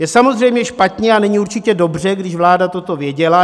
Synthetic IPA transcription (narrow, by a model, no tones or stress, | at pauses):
jɛsamo̞zrɛjmɲɛʃpat̪ɲɛanɛɲɪuɾt͡ʃɪcɛdo̞br̝ɛɡdɪʃvlaːdat̪o̞t̪o̞vjɛɟɛla